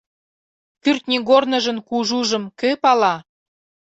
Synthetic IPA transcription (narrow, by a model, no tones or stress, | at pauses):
pyrt̪nʲiɡornə̆ʒə̆nkuʒuʒə̆mkøpɑlɑ